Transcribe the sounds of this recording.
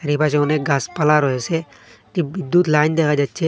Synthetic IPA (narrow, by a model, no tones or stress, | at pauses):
ɾipat͡ʃɔwneɡaspalaɾɔɦese | ʈibid̪ut̪lajnd̪ekʰad͡ʒatːt͡ʃʰe